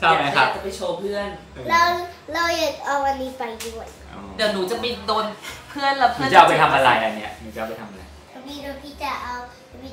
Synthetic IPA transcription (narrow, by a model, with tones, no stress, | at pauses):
t͡ɕʰa˥˩ma˧˦a˦˩t͡ɕa˨˩pa˧jt͡ɕʰoː˧pʰɯ˥˩ən | lɛː˦˥wlɛː˦˧˥wjaː˨˩k̚ʔa˧wma˧niː˧pa˧jdu˥˩ə˨j | d̪ɛː˨˩wnuː˩˦t͡ɕa˨˩mi˧˩doː˧npʰɯ˥˩ənla˧˩pʰnɯ˥˩˨t͡ɕa˧wpa˧jt̪ʰa˧mʔa˧ɾa˧jʔa˧ni˦˥ɐʔnuː˩˦t͡ɕa˧˩pa˧jt̪ʰa˧mʔa˧ɾa̰˧j | ɔ˧niː˧˥ɾa˧t̪ʰiː˦˥˩t͡ɕa˨˩ʔa˧w | i˦˩